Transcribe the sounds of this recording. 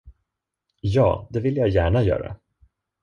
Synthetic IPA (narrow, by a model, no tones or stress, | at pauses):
jɑːd̪ɛvɪlːjajæːɳajœ̰ːɾa̰